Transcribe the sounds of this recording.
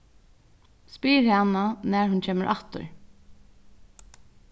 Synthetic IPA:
spiːɹhɑnanæːɹhʉncʰeːməɹʔaht̪ə̰ɹ

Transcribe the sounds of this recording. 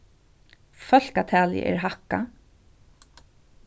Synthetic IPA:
fœl̥kat̪ʰæːlɪ̰ʔɛ̰ɹɦaka

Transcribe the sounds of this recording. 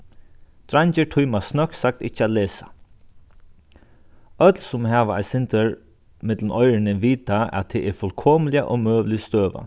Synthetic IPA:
d̪̥ɾaɲt͡ʃəʈʰujmasnœksak̚t̪ɪt͡ɕːəat̪leːsḁ | œt̪lsʊmhaːʋaa̰ɪsɪnt̪əɹ | mɪt̪lən̩ɔʏɾɪnəʋiːt̪aa̰t̪t̪ʰːɛʔɛɾfœlkʰɔːməlɪa̰ʔɔmøːʋlɪst̪øːʋa̰

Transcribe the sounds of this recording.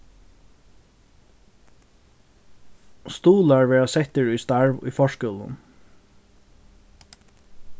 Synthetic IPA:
st̪uːlaɹʋɛːɹasɛt̪əɹujst̪aɹʋʊ̰jfɔʃkœːlʊ̰n

